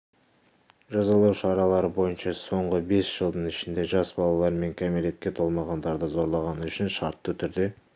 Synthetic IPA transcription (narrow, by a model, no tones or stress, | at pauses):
ʒɑzɑlˠɑwʃɑɾɑlˠɑɾəbo̞jənʃɑso̞ɴʁəbe̞sʒ̥əlˠd̪əɴɪʃɪnd̪e̞ʒɑsbɑlˠɑlˠɑɾme̞ŋkʲʰæmeɾe̞t̪̚kʲe̞t̪ʰo̞lˠmɑʁɑnd̪ɑɾd̪əzo̞ɾlˠɑʁɑnʏʃɪnʃɑɾt̪ːət̪ʰʏɾd̪e̞